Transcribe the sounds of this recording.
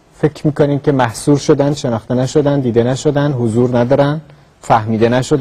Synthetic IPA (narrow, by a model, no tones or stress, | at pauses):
fe̞cʲʰɾmiːkʰoniːmcʰʲe̞mæhsuːɾʃod̪ænd̪ʃe̞nɒːχt̪enæʃo̞d̪ænd̪iːd̪enæʃo̞d̪ænd̪hozuːɾnæd̪ɒːɾænd̪ | fæhmiːd̪e̞næʃod̪